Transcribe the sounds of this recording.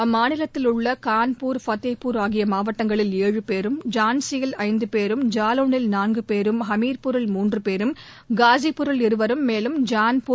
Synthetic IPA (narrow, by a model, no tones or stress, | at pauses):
ɐmːaːnɪlɐt̪ːɪlɯɭːɐkaːnpuːɾfɐt̪ːɐɪpːuːɾaːɣɪjɐmaːʋɐʈːɐŋɡɐɭɪleːɻɯpeːɾɯmd͡ʒaːnsɪjɐlɐɪnd̪ɯpeːɾɯmd͡ʒaːloːnɪlnaːnɡɯpeːɾɯmɦɐmiːɾpʊɾɐlmuːndrɯpeːɾɯm | ɡaːzipʊɾɐlɪɾɯʋɐɾɯmːeːlɯmd͡ʒaːnpu